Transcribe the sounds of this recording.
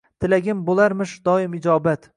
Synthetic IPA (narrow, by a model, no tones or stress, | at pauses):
t̪ʰɪlaɡʲɪmbolˠaɾmɪʃd̪ɒɪmɪd͡ʒɒːbat̪